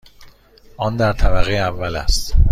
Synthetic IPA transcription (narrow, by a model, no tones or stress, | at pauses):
ʔɒnd̪æɾt̪ʰæbæɣeævːælæ̰st̪